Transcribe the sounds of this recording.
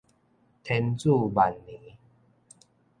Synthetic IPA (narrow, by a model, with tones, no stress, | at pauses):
t̪ʰɛ˧˦nt͡su˥˧ba˨˩nːĩ˨˦